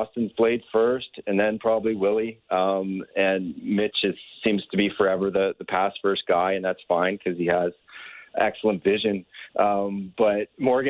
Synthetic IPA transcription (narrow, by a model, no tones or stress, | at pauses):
ɑstɨ̃n̩z̥pʰl̥eɪd̥fɜ˞stɨ̃nðɨ̃npʰɹ̥ɑbəbliwɪlˠiʌ̃mɨ̃nmɪt͡ʃɨz̥sĩmz̥tʰɨbifə˞ɛvə˞ðɨðɨpʰæstfɜ˞st̚ɡ̥aɪɨ̃nðætsfãɪ̃nkʰʌz̥iəz | ɛ̰ksl̩ˠə̃ntvɪʒɨ̃nʔʌ̃mb̥ʌt̚mɔɹɡɨ